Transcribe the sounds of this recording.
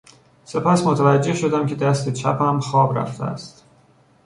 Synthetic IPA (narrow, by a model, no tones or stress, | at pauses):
se̞pʰæsmot̪ʰævæd͡ʒːe̞hʃo̞d̪æmcʲʰe̞d̪æst̪e̞t͡ʃʰæpæmxɒːbɾæ̰ft̪ʰḛæ̰st̪